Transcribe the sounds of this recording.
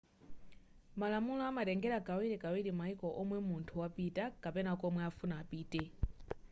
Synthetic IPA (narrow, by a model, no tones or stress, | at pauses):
malamulɔamatɛŋɡɛɾakawiɾikawiɾimaikɔʔɔmwɛmuntʰuwapitakapɛnakɔmwɛafunaːpiːtɛ